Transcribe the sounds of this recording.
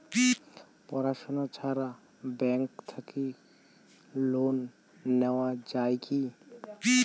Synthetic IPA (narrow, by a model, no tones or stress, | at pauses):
pɔɾaʃɔnat͡ʃʰaɾa | bɛ̃ŋkt̪ʰəki | lonː | ɛwad͡ʒajki